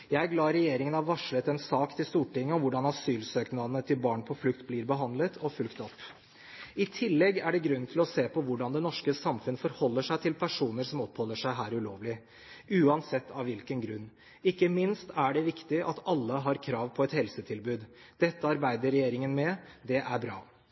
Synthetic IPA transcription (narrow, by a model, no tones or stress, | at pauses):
jæɪæɾɡlɑːɾɛjeːɾɪŋənɑʋɑʂɭət̪ɛnsɑːkt̪ʰɪlst̪uːʈɪŋːəɔʋʊɖɑnɑsyːlsøːknɑnət̪ʰɪlbɑːɳpʰɔflʉkt̪bliːɾbəɦɑnd̪lət̪ʰɔfʉlkt̪ɔpː | ɪt̪ʰɪlːɛɡːæɖɛɡɾʉnːt̪ʰɪlɔseːpʰɔʋʊɖɑnd̪ɛnɔʂkəsɑmfʉnəfɔɾhɔlːəʂæɪt̪ʰɪlpʰæʂuːnəɾsɔmɔpːhɔlːəʂæɪɦæːɾʉloːʋlɪ | ʉːɑnsɛt̪ːɑʋʋɪlkənɡɾʉnː | ɪkːəmɪnst̪ʰæɖɛʋɪkt̪ɪʔɑt̪ɑlːəɦɑɾkʰɾɑːʋpʰɔɛt̪hɛlsət̪ʰɪlbʉːd̪d̪̥ɛt̪ːəɑɾbæɪd̪əɾɛjeːɾɪŋənmɛd̪ɛʔæɾbɾɑ̰ː